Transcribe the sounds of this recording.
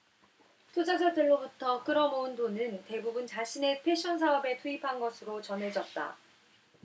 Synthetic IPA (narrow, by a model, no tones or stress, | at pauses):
tʰod͡ʑad͡ʑadɯɭːobutʰʌk͈ɯɾʌmoundonɯnte̞bubunt͡ɕaɕʰine̞pʰe̞ɕ͈ʰʌns̬ʰaʌbe̞tʰuipʰanɡʌsʰɯɾot͡ɕʌnɦe̞d͡ʑʌt̚t͈a̰